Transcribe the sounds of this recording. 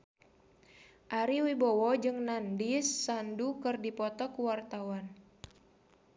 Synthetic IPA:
ʔaɾiwibɔwɔd͡ʒɨŋnandisːandukɨrdipɔt̪ɔkuwart̪awan

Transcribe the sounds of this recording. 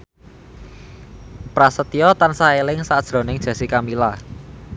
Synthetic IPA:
pɾasət̪ijɔt̪ansaelɪŋsad̥ʒ̥ɾɔ̤nɪŋ̥ʒ̥ä̤sikamila

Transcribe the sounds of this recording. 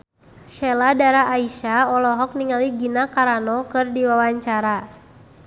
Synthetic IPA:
ʃɛladaɾaʔːiʃaɔlɔɦɔk̚niŋaliɡinakaɾanɔkɨrdiwawaɲt͡ʃaɾa

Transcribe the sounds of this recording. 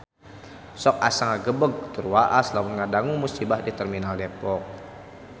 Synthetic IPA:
sɔk̚asaŋaɡəbəɡ̚t̪urwaʔaslawunŋadaŋumusibahdit̪ərminaldepɔk̚

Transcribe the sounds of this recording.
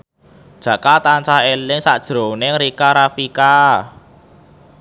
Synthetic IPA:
d̥ʒ̥ä̤kalt̪ant͡ʃahelɪŋsaʔd̥ʒ̥ɾo̤neŋɾikaɾafika

